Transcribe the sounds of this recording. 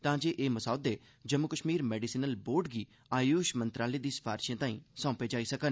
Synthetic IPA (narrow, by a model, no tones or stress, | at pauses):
t̪ãːd͡ʒeːʔeːməsaːʊd̪eː | d͡ʒəmːʊkəʃmiːɾmɛːɖisiːnəlboːɾɖɡiː | aːjuːʃmənt̪ɾaːleːd̪iːspʰaːɾʃjãːt̪ãːḭ̃ːsãːpeːd͡ʒaːiːsəkən